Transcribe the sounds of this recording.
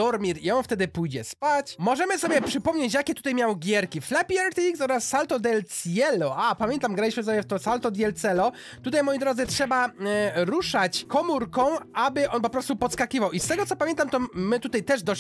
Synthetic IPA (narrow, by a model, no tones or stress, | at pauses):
d̪ɔɾmʲiɾiɔ̃w̃ft̪ɛd̪ɘpujd͡ʑɛ̰spat͡ɕmɔʐɛmɘsɔbʲjɛpʂɘpɔmɲet͡ɕjakʲɛt̪u̥t̪ajmʲjawɡʲɛɾkʲiflɛpʲiaɾt̪ʲiiksɔɾasːalt̪ɔd̪ɛlt̪sjɛlɔʔapamʲjɛnt̪amɡɾalʲiɕmɘsɔbʲjɛft̪ɔsalt̪ɔd̪jɛlt̪sɛlɔ | t̪ut̪ajmɔjid̪ɾɔd̪zɘtʂɛbaɾuʂat͡ɕkɔmuɾkɔ̃w̃abɘʔɔnpɔpɾɔst̪upɔt̪skakʲivawʔist̪ɛɡɔt̪sɔpamjɛnt̪amt̪ɔmɘt̪ut̪ajt̪ɛʐd̪ɔɕ